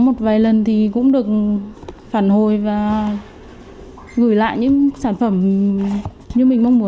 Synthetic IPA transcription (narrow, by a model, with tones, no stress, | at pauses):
mo˨˩t̚vaː˨˩jlə˨˩nt̪ʰi˨˩kʊ̰˧˥ŋ͡mɗɨ˨˩ək̚ | faː˧˩nho˨˩jvaː˨˩ | ɣɨ˧˩jla̰ː˧˨jɲɨ̰˧˥ŋsaː˧˩nfə˧˩m | ɲɨ˧mï˨˩ŋ̟ma˧wŋ͡mmu˨˦